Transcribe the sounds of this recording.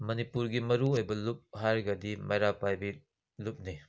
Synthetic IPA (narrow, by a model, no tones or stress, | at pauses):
mɐnipuɾɡimɐɾuojbɐlup̚haɾɡɐdimɐjɾapajbi | lup̚ni